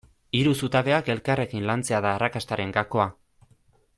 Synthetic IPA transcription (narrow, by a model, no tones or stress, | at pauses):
iɾusut̪aβe̞ake̞lkare̞kinlant͡se̞aðaːrakast̪aɾe̞ŋɡako̞a